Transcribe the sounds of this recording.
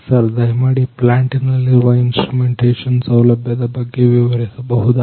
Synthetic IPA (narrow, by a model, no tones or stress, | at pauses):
səɾd̪ɐɦjmaɽiplaɳʈinaliɾʋainsʈɾumeɳʈeʃənsɐwlɐbjad̪abəɡːeʋiʋəɾesɐbəɦud̪a